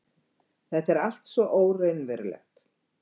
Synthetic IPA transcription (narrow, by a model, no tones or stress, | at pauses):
θɛht̪ɛɾal̥t̪svɔʔoːwrejnvɛɾlɛ̰xt̪